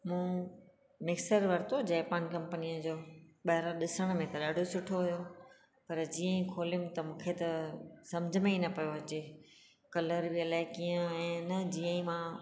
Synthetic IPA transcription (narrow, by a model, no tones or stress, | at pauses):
mũː | mɪksəɾʋɐɾt̪od͡ʑɛːpaːnkɐ̃mpənijəd͡ʑoːɓɐɦɪɾaɗɪsəɽ̃mẽt̪ɐɗaːɖʱosʊʈʰoɦʊjo | pɐɾd͡ʑiːə̃ĩkʰoːlɪmt̪ɐmũːkʰet̪ɐsɐ̃md͡ʑʱəmẽinɐpɐjoɐt͡ɕeː | kɐləɾbiəlaːɪkijə̃ɛ̃ːnɐd͡ʑiə̃ĩmã